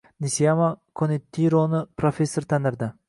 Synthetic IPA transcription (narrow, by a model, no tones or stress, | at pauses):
nisijamakʰonet̪ʰːiɾonɪpɾofʲesːoɾt̪ʰanɪɾd̪ɪ